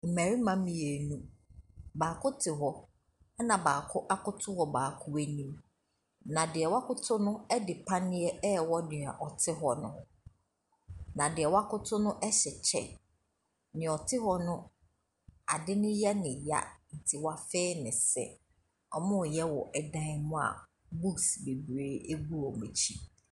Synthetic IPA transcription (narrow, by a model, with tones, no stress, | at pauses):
m̩˨mæ̃˨ɾi˦mã˦mɪ̃˨jɛ˨nũ˦ | baː˨kʰʊ˦tʰɪ˨ɦɔ˦ | ɛ˦nã˨baː˨kʰʊ˦ʔa˦kʊ˦tʰʊ˦hɔ˨baː˨kʰʊ˦wæ˦nĩ˦m | nã˨dɪ˨ɛ˨wa˦kʊ˦tʰʊ˦nʊ̃˦ɛ˦dɪ˨pʰa˦nɪ̃˦ɛ˦ɛ˦˨wɔ˦nɪ˨a̰˨ʔɔ˨tʰɪ˦ɦɔ˨nʊ̰̃˦˨˦ | nã˨dɪ˨ɛ˨wa˦kʊ˦tʰʊ˦nʊ̃˦ʔɛ˦ɕɛ˨t͡ɕʰɛ̰˨ | nɪ̃˨ɔ˨tʰɪ˦ɦɔ˨nʊ̃˦ | a˨dɪ˦nʊ̃˦jɛ˦nɪ̃˨ja̰˦n̩˨tʰi˨wa˦fe˦nɪ̃˨sɛ̰˨ | ɔ˨mʊ̃˦˨jɛ˦wɔ˨ʔɛ˨dã˦mʊ̃˦a̰˨ | bu˦ksbe˨bɾeː˦e˦ɡu˦ɾɔ˨mẽ˨t͡ɕʰi˦